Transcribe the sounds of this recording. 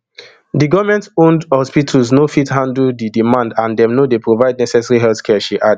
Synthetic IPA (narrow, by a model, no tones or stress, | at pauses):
diɡɔvmɛ̃ntõndhɔspitʰəlznofithãndldidimãndãndɛ̃mnodepɹovaɪd̚nɛsɛsaɹiɦɛlθkʰɛʃiʔad